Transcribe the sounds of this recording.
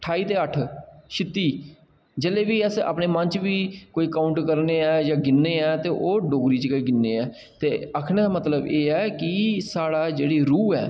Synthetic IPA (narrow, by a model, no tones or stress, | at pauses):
ʈʰaːiːt̪eːəʈʰʃʰɪt̪ːiː | d͡ʒeleːbiːəsa̰ːpneːmə̃nt͡ʃʋiːkoːiːkaːʊɳʈkəɾneːɛːd͡ʒaːɡɪnːeːɛːt̪eːʔoːɖoːɡɾiːt͡ʃkəiːɡɪnːeːɛː | t̪eːəkʰɽẽːd̪aːmət̪ləbeːɛːkɪsaːɽaːd͡ʒeːɽiːɾuːɛ̰ː